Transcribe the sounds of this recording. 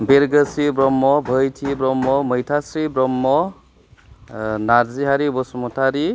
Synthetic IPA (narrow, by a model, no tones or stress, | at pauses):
beɾɡəsibɾɔmːɔbʱəjtʰibɾɔmːɔməjtʰasɾibɾɔmːɔ | naɾziɦaɾibɔsmɔtʰaɾi